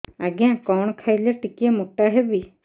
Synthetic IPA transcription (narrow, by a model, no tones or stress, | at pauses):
aɡjãkɔɳ̃ɔkʰajleʈikiemuʈaɦebi